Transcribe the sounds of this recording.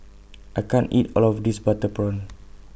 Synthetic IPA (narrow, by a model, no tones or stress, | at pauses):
ʔajkãnḭtɔ̰lɔfdisbat̪əpɹɔn